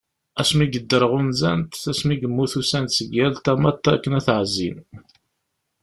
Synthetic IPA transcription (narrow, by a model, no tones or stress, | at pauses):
æsmiɡəd̪ːəɾʁunzæ̰nt̪θæsmiɡəmːuθusænt̪səɡːælt̪æmæt̪ːækːənæθʕzːḭn